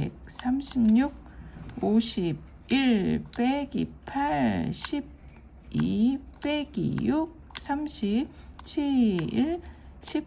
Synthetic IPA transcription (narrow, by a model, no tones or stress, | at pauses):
ḛk̚s͈ʰamɕʰimɲuk̚ | oɕʰib̚ | iɭp͈eɡḭpʰaɭɕʰib̚ | ip͈eɡḭjuk̚sʰamɕʰip̚ | t͡ɕʰiiɭɕʰi